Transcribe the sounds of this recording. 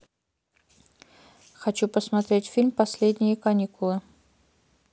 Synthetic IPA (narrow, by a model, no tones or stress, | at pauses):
xɐt͡ɕupəsmɐt̪ɾʲetʲfʲilʲmpɐsʲlʲed̪ʲnʲɪjəkɐnʲikʊlˠɨ